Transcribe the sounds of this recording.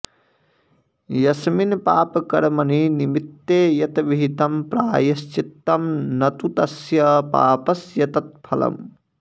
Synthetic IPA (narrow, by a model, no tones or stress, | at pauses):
jɐsminpaːpɐkɐɾmɐninimit̪ːeːjɐt̪ʋiɦit̪ɐmpɾaːjɐst͡ʃit̪ːɐmnɐt̪ut̪ɐsjɐpa̰ːpɐsjɐt̪ɐt̪̚pʰɐlɐ̰m